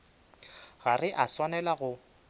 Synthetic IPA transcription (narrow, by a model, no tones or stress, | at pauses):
ɣarɪʔaswanɛlaɣʊ